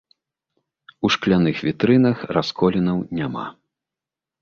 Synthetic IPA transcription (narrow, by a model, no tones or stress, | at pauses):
uʂklʲanɨxvʲit̪ɾɨn̪ɐxraskɔlʲinɐwnʲama̰